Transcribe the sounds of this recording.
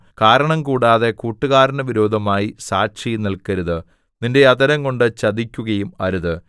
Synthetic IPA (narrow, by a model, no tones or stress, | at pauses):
kaːɾɐɳɐmkuːɽaːðe̞kuːʈːuɣaːɾɐɳɐʋiɾo̞ːd̪ʱɐmaːjisaːkɕɐjnilkɐɾuðɨ | ninde̞ɐðɐɾɐŋko̞ɳɖɨt͡ɕɐd̪ikʲːuɣɐjumɐɾuðɨ